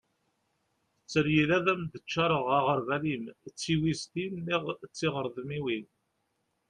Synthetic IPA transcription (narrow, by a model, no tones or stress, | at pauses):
θət͡sːəɾjilæðæmd̪ət͡ʃːɑɾˤəʁaʁəɾvælimt͡sːiwist̪inːiʁt͡sːɪʁəɾðˤəmiwin